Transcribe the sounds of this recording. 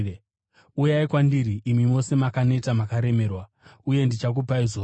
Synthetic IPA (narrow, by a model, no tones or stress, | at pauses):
ujaikwandiɾiʔːmimo̞se̞makane̞tamakaɾe̞me̞ːrwa | uje̞ndit͡ʃak̬upaizo